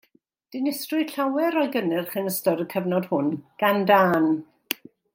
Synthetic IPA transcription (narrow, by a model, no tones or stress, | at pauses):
d̥ɪnɪstrʊjɬawɛɾɔjɡənɪrχənəstɔɾəkʰɛvnɔd̥hʊnɡ̥andaːn